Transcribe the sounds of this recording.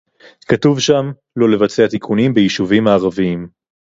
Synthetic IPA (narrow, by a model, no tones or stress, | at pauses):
katuvʃam | lo̞le̞vat͡seat̪ikʰunimbejiʃuvimaːʁaviim